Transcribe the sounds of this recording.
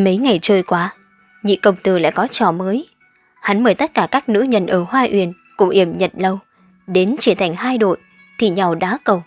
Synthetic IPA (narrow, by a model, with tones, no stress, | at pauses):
mə˨˦jŋa˨˩jt͡ɕəː˧jkwaː˨˦ | ɲḭ˧˨kə˨˩wŋ͡mt̪ɨ˨˩la̰ː˧˥kɔ˨˦t͡ɕɔ˧˩məː˨˦j | ha˨˦nməː˧˩jt̪ə˦˥t̚kaː˧˩kaː˦˥k̚nɨ̰˧˥ɲə̰˨˩nʔəː˧˩hwaː˧ʔwḭ˧˩ən | kʊ̰˧˥ŋ͡mʔi˧˩əmɲə˨t̚lə˧w | ɗe˨˦nt͡ɕi˧˩ət̪ʰa˨˩jŋ̟haː˧jɗo̰˧˨ | t̪ʰi˨˩ɲa˨˩wɗa̰ː˨˦˥kə˨˩w